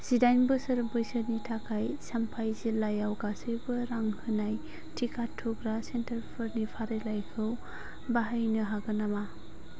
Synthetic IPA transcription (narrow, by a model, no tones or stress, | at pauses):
sidajnbɯsɯɾɯbɯjsɯɾnitʰakʰajsampʰajzilajawɡasɯjbɯɾaŋhɯnaj | tʰikʰatʰːuɡɾasentɐɾpʰɯɾnipʰaɾɯlajkʰɯw | baɦajnɯɦaɡɯnama